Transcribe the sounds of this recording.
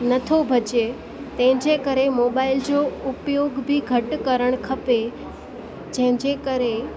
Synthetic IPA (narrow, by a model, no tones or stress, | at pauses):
nɐt̪ʰobʱɐd͡ʑe | t̪ɐ̃ɦɪ̃ɲd͡ʑekəɾemoːbaːɪld͡ʑoʊpjoːɡbʱiɡʱɐʈkɐɾəɽ̃kʰɐpe | d͡ʑɐ̃ɦɪ̃ɲd͡ʑekəɾe